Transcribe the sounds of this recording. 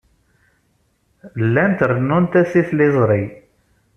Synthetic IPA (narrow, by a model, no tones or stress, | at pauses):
lːænt̪ərənːʊnt̪æsiθlɪzˤɾˤi